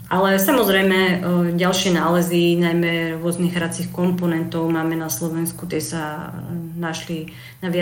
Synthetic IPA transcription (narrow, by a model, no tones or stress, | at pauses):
ʔalɛsamɔzɾɛjmɛɟalʃɪɛnaːlɛzinajmɛɾʊɔzniɣɾat͡sixkɔmpɔnɛnt̪ɔʊmaːmɛnaslɔʋɛnskut̪jɛsa | naʃli | naʋɪa